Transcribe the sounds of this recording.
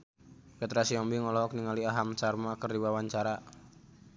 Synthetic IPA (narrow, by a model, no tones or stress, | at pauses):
kɛt̪ɾasiɔmbiŋɔlɔɦɔk̚niŋaliaɦamt͡ʃarmakərdiwawaɲt͡ʃaɾa